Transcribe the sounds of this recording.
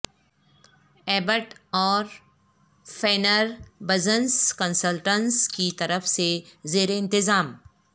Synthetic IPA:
ɛːbəʈɔːɾ | fɛːnəɾbɐzənskə̃nsəlʈə̃nskit̪ɐɾəfsezeːɾeɪ̃nt̪ɪzaːm

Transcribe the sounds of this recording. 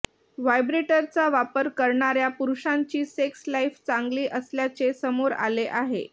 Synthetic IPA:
ʋajbɾeʈəɾt͡saʋapəɾkəɾɳaɾjapuɾuɕaɲt͡ɕiːsekslaift͡sãŋɡliːʔəsljat͡sesəmoɾa̰leʔaɦḛ

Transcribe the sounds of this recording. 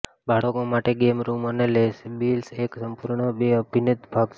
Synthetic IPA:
baɽəkomaʈeɡemɾumənelesbilseksəmpuɾɳəbeəbʱinɪt̪bʱaɡʃ

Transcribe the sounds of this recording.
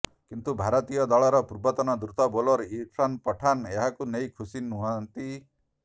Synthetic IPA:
kint̪ubʱaɾɔt̪ijɔd̪ɔɭɔɾɔpuɾbɔt̪ɔnɔd̪ɾut̪ɔbolɔɾiʈʰɾanpɔʈʰaneɦakunejkʰusinuɦɔnt̪i

